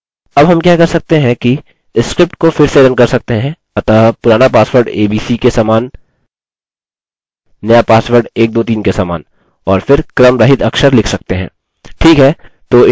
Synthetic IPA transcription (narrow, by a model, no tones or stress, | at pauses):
ɐbɦɐmkjaːkɐɾsɐk̚t̪eɦɛ̃ki | skɾɪp̚ʈkofɪɾseɾənkɐɾsɐk̚t̪eɦɛ̃ | ɐt̪aːpʊɾaːnapaːsʋəɾɖeːbiːsikesaːmaːn | ɐjapaːsʋəɾɖeːk̚d̪oːt̪̬iːnkesaːmaːn | ɔːɾfɪɾkɾəmɾɐɦɪt̪ɐkʃəɾlɪkʰsɐk̚t̪eɦɛ̰̃ː | ʈʰiːkɦɛː | t̪oː